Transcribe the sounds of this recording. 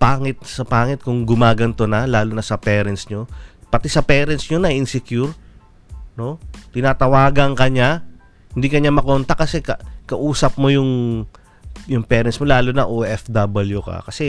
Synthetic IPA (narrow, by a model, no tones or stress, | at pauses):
paːŋɪt̪̚sɐpaːŋɪt̪̚kʊŋɡʊmaːɡɐnt̪onɐlaːlonɐsɐpɛːɾɐnsɲo̞pɐt̪ɛsɐpɛːɾɛnt̪sɲonɐjɪnsɛkjuɾ | no̞t̪ɪnaːt̪ɐwaːɡɐŋkɐɲa | hɪnd̪ikɐɲamɐkoːnt̪ɐkɐsɛkɐkɐʔuːsɐp̚mo̞jʊŋ | jʊŋpɛːɾɛnsmo̞laːlonɐʔoːʔɛfd̪ɐbɐljukɐ̰kɐsɛ